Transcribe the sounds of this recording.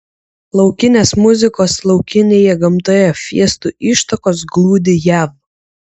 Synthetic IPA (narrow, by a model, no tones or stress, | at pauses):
lˠɐʊkʲɪnʲeːsmʊzʲɪkoːslˠɒʊkʲɪnʲeːjɛɡɐmt̪oːjɛfʲiɛst̪uʔiːˑʃt̪ɐkoːs̬ɡlˠuːd̪ʲɪjæːʋ